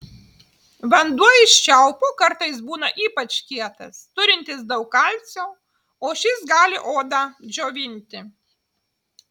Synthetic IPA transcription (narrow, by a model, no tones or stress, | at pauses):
ʋɐnd̪uɔɪʃʲt͡ʃʲɛʊpukɐɾt̪ɐɪs̬buːnɐʔiːpɐt͡ʃkʲiɛt̪ɐ̰st̪ʊɾʲɪnʲt̪ʲɪs̬d̪ɐʊkːɐlʲt̪sʲoː | oːʃʲɪsɡɑːlʲɪ̰ʔoːd̪ɑd͡ʒʲoːʋʲɪnʲt̪ʲɪ